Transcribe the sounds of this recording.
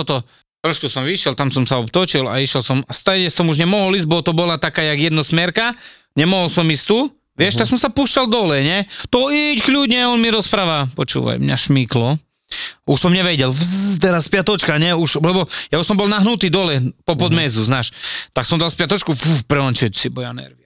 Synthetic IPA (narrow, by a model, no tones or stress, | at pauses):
ɔt̪ɔ | t̪ɾɔʃkusɔmʋiʃjɛlt̪amsɔmsaɔpt̪ɔt͡ʃila̰iʃjɛlsɔmast̪aɟɛsɔmuʒɲɛmɔɦɔlizbɔt̪ɔbɔlat̪akaːjaɡjɛd̪nɔsmɛɾka | ɲɛmɔɦɔlsɔmist̪uː | ʋɪɛʃt̪aksɔmsapuːʃcald̪ɔlɛɲɛt̪ɔickʎuɟɲɛɔnmiɾɔspɾaːʋapɔt͡ʃṵːʋa̰jmɲa̰ʃmiklɔ | uʃsɔmɲɛʋɛɟɛlfzt̪ɛɾaspɪat̪ɔt͡ʃkaɲɛuʃlɛbɔjauʃsɔmbɔlnaɦnut̪iːd̪ɔlɛpɔpɔd̪mɛzuznaːʃt̪aksɔmd̪alspɪat̪ɔt͡ʃkufupɾɛɔnt͡ʃɛsibɔjanɛ̰ɾʋia